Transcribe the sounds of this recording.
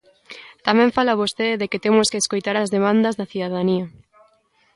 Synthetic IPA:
t̪amɛ̃ɱfalaβost̪eðekɪt̪emoskeːskojt̪aɾɐzðemãnd̪ɐzðɐθiðaðaniɐ

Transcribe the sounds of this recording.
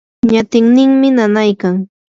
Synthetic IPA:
ɲat̪ɪŋnɪŋmɪnanajkaŋ

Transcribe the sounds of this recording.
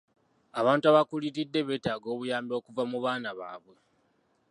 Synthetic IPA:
aβaːntuaβakuliɾidːe̞βe̞ːtaːɡo̞ːβujaːmbio̞ːkuvamuβaːnaβa̰ːβwe̞

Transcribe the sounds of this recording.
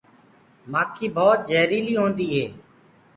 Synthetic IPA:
maːkʰiːbʱɔːt̪̚d͡ʒeːɾiːliːɦõːnd̪iːɦeː

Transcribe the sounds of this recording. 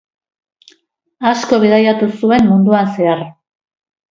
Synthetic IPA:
asko̞βeðajat̪usue̞mmund̪uanse̞ar

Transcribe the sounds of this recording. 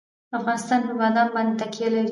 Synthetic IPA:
afɣɑnɪst̪ɑnɦɪwɑd̪ɑnbɑnd̪et̪akijalaɾi

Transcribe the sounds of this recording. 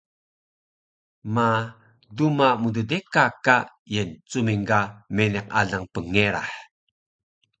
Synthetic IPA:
ma | dumamududekaka | jent͡sumiŋɡameneq̚a̰ɮaŋpəŋeɾa̰ħ

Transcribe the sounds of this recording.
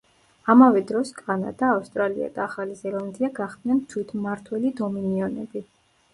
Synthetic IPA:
amavɛd̪ɾɔskʼana̰d̪aːfst̪ʼɾalia̰d̪̥aːχalizɛlˠand̪iaɡaχd̪nɛnt̪ʰwit̪ʰmaɾt̪ʰwɛlid̪ɔminiɔnɛbi

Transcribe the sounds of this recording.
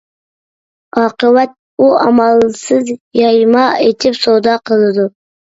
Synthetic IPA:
ɑqəwat̪̚ | uɑ̰mɑlˠsɨzjɑjmɑet̪ʰɪpsod̪ɑqʰəlˠd̪ʊ

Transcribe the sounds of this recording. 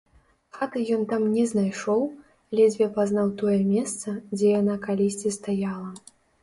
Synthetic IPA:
xat̪ɨjɔnt̪amnʲɛznajʂɔw | alʲɛd͡zʲvʲɛpaznawt̪ɔjɛmʲɛst̪sɐd͡zʲɛjanakalʲisʲt͡sʲist̪ajalˠɐ

